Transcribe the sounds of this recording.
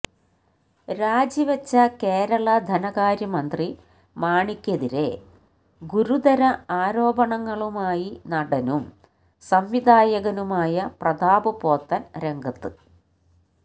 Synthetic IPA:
ɾaːd͡ʑiʋɐt͡ɕːɐke̞ːɾɐɭɐd̪ʱɐnɐɣaːɾjɐmɐnd̪ri | maːɳikʲːɐðiɾe̞̰ | ɡuɾud̪ɐɾɐaːɾo̞ːbɐɳɐŋːɐɭumaːjinɐɽɐnum | sɐmʋid̪aːjɐɣɐnumaːjɐprɐd̪aːbɨpo̞ːt̪ːɐnɾe̞ŋɡʱɐt̪ːɨ

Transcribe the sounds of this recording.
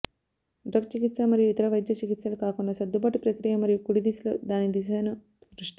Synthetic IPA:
ɖɾɐkt͡ʃikit̪sɐmɐɾijuit̪ɐɾɐʋɐjd̪jɐt͡ʃikit̪sɐlukaːkunːɐsɐd̪ːubaːʈipɾɐkɾijɐmɐɾijukuɽid̪islo̰d̪aːnid̪is̬ɐjnɐ | sɾuʂʈi

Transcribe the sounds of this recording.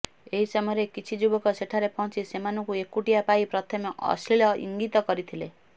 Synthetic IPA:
eɦisʌmɔɾekit͡sʰid͡ʒubɔkɔseʈʰaɾepɔw̃t͡sʰisemanukuekːuʈijapaipɾʌt̪ʰɔmeʔʌ̰slilʌḭŋɡit̪ɔkʌɾit̪ʰile

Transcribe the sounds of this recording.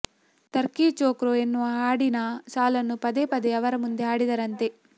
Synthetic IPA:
t̪ɐɾkiːt͡ʃoːkɾoenːuaːɽinɐsaːlɐnːupɐd̪eːpɐd̪eɐʋɐɾɐmund̪eaːɽid̪ɐɾɐnt̪e

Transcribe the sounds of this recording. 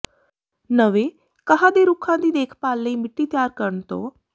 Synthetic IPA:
nəʋeː | kəɦãːd̪eːɾʊkʰãːd̪iːd̪eːkʰpaːlːəiːmɪʈːiːt̪ɪjaːɾkəɾəɳt̪o̰ː

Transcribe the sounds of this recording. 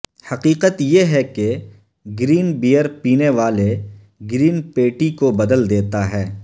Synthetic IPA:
hɐqiːqət̪jeɦɛke | ɡɾiːnbijəɾpiːneʋaːle | ɡɾiːnpeːʈikobɐd̪əld̪eːt̪aɦɛː

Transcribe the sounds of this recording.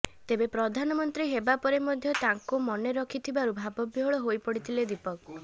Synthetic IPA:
t̪ebepɾɔd̪ʱanɔmɔnt̪ɾiɦebapɔɾemɔd̪ʱjɔt̪aŋkumɔneɾɔkʰit̪ʰibaɾubʱabɔbiɦɔɭɔɦojpɔɽit̪ʰiled̪ipɔk

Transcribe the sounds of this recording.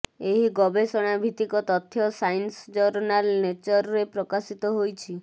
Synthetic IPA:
eɦiɡɔbesɔɽ̃abʱit̪ikɔt̪ɔt̪ʰːjɔsajnsd͡ʒɔɾnalnet͡ʃɔɾɔɾepɾɔkasit̪ɔɦojt͡ʃʰi

